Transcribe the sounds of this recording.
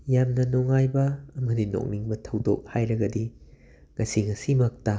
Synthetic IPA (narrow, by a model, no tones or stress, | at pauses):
jamnɐnoŋajbɐːmɐdino̰k̚niŋbɐtʰɐwdo̰k̚hajɾɐɡɐdi | ŋɐsiŋɐsimɐk̚tɐ